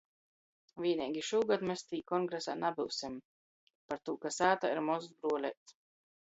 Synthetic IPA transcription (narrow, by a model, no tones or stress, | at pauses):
vʲiɛnʲiːɡʲiʃuːɡad̪mest̪iːkɔŋɡɾɛsanabɨwsim | paɾt̪uːkasaːt̪aiɾmɔzuzbɾuɔlʲɛːt̪